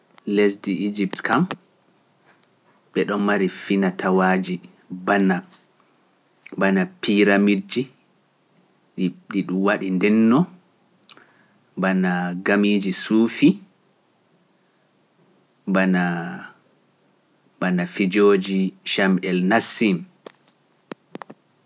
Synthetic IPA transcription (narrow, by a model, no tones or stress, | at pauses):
les̬diid͡ʒiptkam | ɓɛɗɔnmaɾifinatʰawaːd͡ʒi | bana | banapiɾamid͡ʒi | ɗiɗiɗumwaɗindɛnːɔ | banaɡamid͡ʒisuːfi | bana | banafid͡ʒoːd͡ʒiʃamʔɛlnasːim